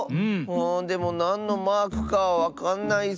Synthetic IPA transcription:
ɯ̃ːd̪e̞mo̞nãnːo̞maːkɯ̟̥kaβakãnːai

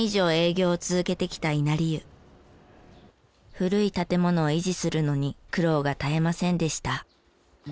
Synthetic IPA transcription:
iʑo̞ːe̞ːɡʲo̞ːt͡sɨzɨke̞t̪e̞kʲi̥t̪ainaɾʲiɯ | ɸɯ̟ɾɯ̟it̪at̪e̞mo̞no̞ːiʑisɨɾɯ̟no̞ɲ̟ikɯ̟ɾo̞ːɡat̪ae̞masẽ̞nd̪e̞ɕi̥t̪a

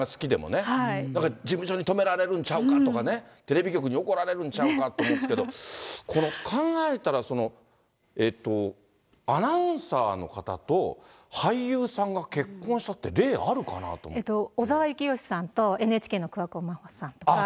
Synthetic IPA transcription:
asɨ̥kʲid̪e̞mo̞̰neaiãŋkad͡ʑimɯ̟ɕo̞ɲ̟it̪o̞me̞ɾaɾe̞ɾɯ̟̃ɲt͡ɕaɯ̟kat̪o̞kanet̪e̞ɾe̞bʲikʲo̞kɯ̟ɲ̟ioko̞ɾaɾe̞ɾɯ̟̃ɲ̟t͡ɕaɯkat̪oːmoeske̞d̪okʰo̞no̞kʰãŋɡae̞t̪aɾaso̞no̞ | e̞ːt̪ːo̞ | anaɯ̟̃ɰ̃saːno̞̰kat̪a̰t̪o̞ | haijɯ̟ːsãŋɡake̞kːõ̞ɰ̃ɕi̥t̪at̪ːe̞̰ɾe̞ːaɾɯ̟ka̰na̰t̪o̰met̪oːzaβajɯ̟kʲijo̞ɕi̥sãnt̪o̞enɯeːt͡ɕi̥kʲeːnokɯ̟βakomaho̥sãnt̪oka

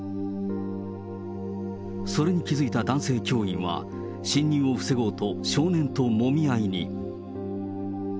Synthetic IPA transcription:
so̞ɾe̞ɲ̟ikʲizɨit̪ad̪ãɰ̃se̞ːkʲo̞ːĩɰ̃βa̰ | ɕĩɲʲːĩɰ̃o̞ɸɯ̟̥se̞ɡo̞ːt̪o̞ɕo̞ːnẽ̞nt̪o̞mo̞mʲiaiɲḭ

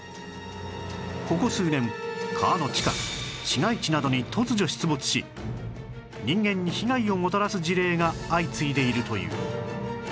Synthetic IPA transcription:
ko̞ko̞sɨːnẽ̞mkʰaːno̞t͡ɕi̥kaɕiŋait͡ɕinad̪o̞ɲ̟it̪ʰo̞t͡sɨʑo̞ɕi̥t͡sɨbot͡sɨ̥ɕḭ | ɲʲĩŋɡẽ̞ɲ̟ːiçiɡaio̞mo̞t̪aɾasɨʑiɾe̞ːŋaːit͡sɨid̪e̞iɾɯ̟t̪o̞jɯ̰ː

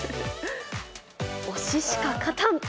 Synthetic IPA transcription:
oɕiɕi̥kakʰat̪ʰãn

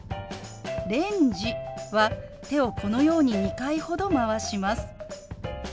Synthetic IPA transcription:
ɾẽ̞ɲd͡ʑiβa | t̪e̞o̞ko̞no̞jo̞ːɲ̟iɲikaiho̞d̪o̞maβaɕimasɨ̥

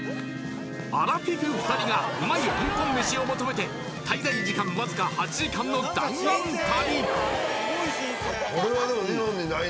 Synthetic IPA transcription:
a̰ɾaɸʲikɯ̟ɸɯ̥t̪aɾʲiɡaɯ̟maiĩŋkõmmeɕio̞mot̪o̞me̞t̪e̞ | t̪ʰaid̪aid͡ʑikãmːazɨkahat͡ɕiʑikãnːoɯ̟t̪ːasãk̪ʰaɾʲi | oɾeβad̪emoinõnina

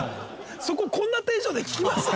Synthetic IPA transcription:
so̞kokõ̞nːat̪eːʑoːd̪e̞kʲi̥kʲimasɨ

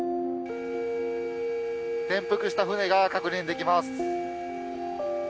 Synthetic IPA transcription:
t̪ẽ̞mpɯ̟kɯ̟ɕi̥t̪aɸɯ̟ne̞ɡakakɯ̟ɲĩnd̪e̞kʲimasɨ̥

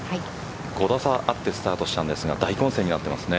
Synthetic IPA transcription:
ha | ɡ̥o̞d̪asaʔat̪ːe̞sɨ̥t̪aːt̪o̞ɕi̥t̪ãnd̪e̞sɨɡa̰d̪aikõɰ̃se̞ːɲ̟inat̪ːe̞ma̰sɨne̞

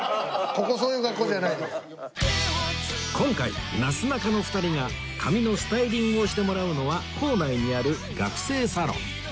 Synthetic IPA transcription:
ko̞kosoːjɯ̟ːɡakːo̞ːdanaid̪es | kʰõ̞ŋkaḭnasɨnakano̞ɸɯ̥t̪aɾʲiŋa | kʰamʲino̞sɨ̥t̪aiɾʲĩŋɡɯ̟o̞ɕi̥t̪e̞mo̞ɾaɯ̟no̞βakʰo̞ːnaiɲ̟iaɾɯ̟ | ɡakɯ̟̥se̞ːsaɾõ̞̰ŋ

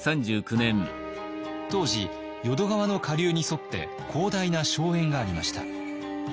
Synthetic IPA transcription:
sãɲd͡ʑɨːkɯ̟nẽ̞m | t̪o̞ːʑi | jo̞d̪o̞ɡaβano̞kaɾʲɯːɲ̟iso̞t̪ːe̞̰ | kʰo̞ːd̪ainaɕo̞ːẽ̞ŋɡaːɾʲimaɕi̥t̪a̰

